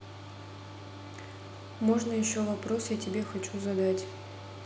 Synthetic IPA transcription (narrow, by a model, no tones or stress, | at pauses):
mo̞ʐnəjɪɕːovɐpɾo̞sjatʲɪbʲe̞xɐt͡ɕuzɐd̪atʲ